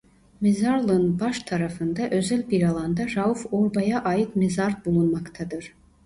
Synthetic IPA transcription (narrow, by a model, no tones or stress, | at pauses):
mezaɾlˠɯnbaʃt̪ʰaɾafɯnd̪aʔø̞zælʲbiɾalˠand̪aɾaufoɾbajaʔaːjɯt̪mezaɾbulˠunmakt̪ʰad̪ɯɾ̥